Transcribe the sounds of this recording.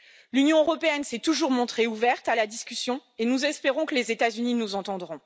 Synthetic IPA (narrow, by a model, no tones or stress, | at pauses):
lynjɔ̃øʁɔpeɛnsɛt̪uʒuʁmɔ̃t̪χeuvɛʁt̪alad̪iskʲysjɔ̃enuzɛspeʁɔ̃kəlezet̪azyninuzɑ̃t̪ɑ̃d̪ʁɔ̃